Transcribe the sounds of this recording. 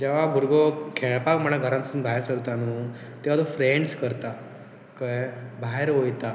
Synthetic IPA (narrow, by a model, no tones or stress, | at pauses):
d͡ʑeʋabʱuɾɡɔkʰeɭpakm̤əɽ̃aɡʱəɾãnsunbʱaɦeɾsəɾt̪anuː | t̪eʋat̪ofɾeɳɖskəɾt̪a | kəbʱaɦeɾɦojt̪a